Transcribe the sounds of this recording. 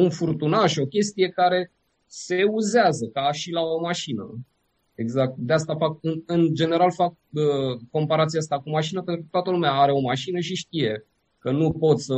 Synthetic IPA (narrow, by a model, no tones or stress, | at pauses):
unfurt̪unaʃo̞kʲe̞st̪ije̞kaɾe̞ | seuzeazəkaʃilaomaʃinə̰ | e̞ɡzak̚t̪̚d̪east̪afakɨnɨnd͡ʒe̞ne̞ɾalfak̚ | əːo̞mpaɾat̪siaas̬t̪akumaʃinəpent̪ɾukət̪oat̪əlumeaaɾe̞o̞maʃinəʃiʃt̪ije̞ | kənupo̞t̪sə